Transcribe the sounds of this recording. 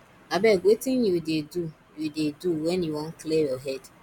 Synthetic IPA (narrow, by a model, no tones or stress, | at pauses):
abɛwetɪnjudedu | judeduwɛnjuwɔ̃nklijɔɦɛd